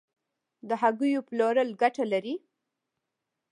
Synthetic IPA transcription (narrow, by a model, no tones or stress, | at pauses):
d̪əɦaɡujoplɑɾəlɡaʈalaɾi